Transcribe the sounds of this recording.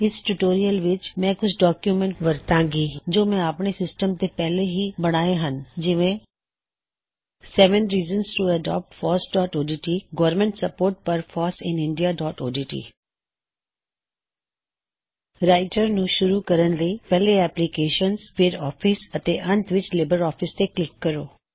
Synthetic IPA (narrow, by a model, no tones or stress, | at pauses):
ɪsʈuʈoːɾijəlʋɪt͡ʃmɛ̃ːkʊt͡ʃʰɖɔːkjumẽɳʈʋəɾt̪ãːŋɡiːd͡ʒoːmɛ̃aːpɽ̃esɪsʈəmt̪epɛːleɦibɐɽ̃aːeɦənd͡ʒɪʋẽ | sɛːʋə̃nɾiːzənsʈuɛɖɔ̰ːp̚ʈfʰɔːɾsɖɔːʈoːɖiːʈiːɡɔʋɾmẽɳʈsɐpoːɾʈ̚pɐɾfɔːsɪ̃nɪ̃ɳɖijaɖɔːʈoːɖiːʈḭː | ɾaːɪʈəɾnũʃʊɾukɐɾənləipɛɦleɛːplikeːʃənsfʰeɾɔːfʰɪsɐt̪eʔɐ̃nt̪ʰʋɪt͡ʃleːbəɾɔːfʰɪst̪eklɪkːɐɾoː